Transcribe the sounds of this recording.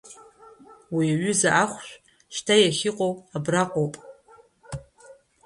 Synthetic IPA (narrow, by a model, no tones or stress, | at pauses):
wiaɥʏzaʔaχʷʃʷᶣ | ʃtʰajaχʲɪqʼowabraqʷʼowpʼ